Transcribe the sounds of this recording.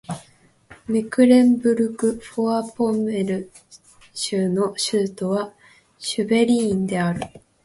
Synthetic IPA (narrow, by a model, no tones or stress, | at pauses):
mikɯ̟ɾẽ̞mbɯ̟ɾɯ̟kɯ̟ɸoapõ̞me̞ɾɯ̟ | ɕɨːno̞ɕɨːt̪o̞βa | ɕɨbe̞ɾʲiːnd̪e̞aɾɯ̟